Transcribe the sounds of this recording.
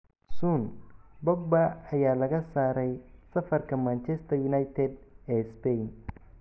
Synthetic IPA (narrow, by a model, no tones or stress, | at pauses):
suːnbɔɡ̚baɐjaːlɐɣɐsaːɾɛjsɐfɐrkʰɐmaːnt͡ʃɛst̪ʰɐjʊnajt̪ʰɛd̪ɛːspɛjn